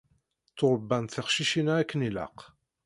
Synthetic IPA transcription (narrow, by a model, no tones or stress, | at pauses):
θoɾˤəbːænt̪θəχʃiʃinæækːənilæ̰q